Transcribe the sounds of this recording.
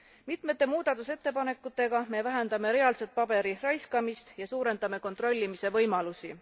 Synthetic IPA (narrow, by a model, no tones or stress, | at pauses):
mit̪met̪ːˑe̞muːd̪̥ɑt̪ːˑuse̞t̪ːe̞pɑne̞kːˑut̪ːˑe̞ɡɑme̞væɦe̞nd̪̥ɑme̞ɾe̞ɑlset̪̚pɑb̥e̞ɾirɑjskɑmist̪jɑsuːɾe̞nd̪ɑme̞ko̞nt̪ro̞lʲːimise̞vɤjmɑlusi